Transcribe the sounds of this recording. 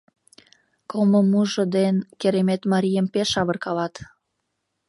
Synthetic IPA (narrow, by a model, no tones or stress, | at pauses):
komomuʒə̆d̪enkeɾemet̪mɑɾʲijəmpeʃɑβərkɑlɑt̪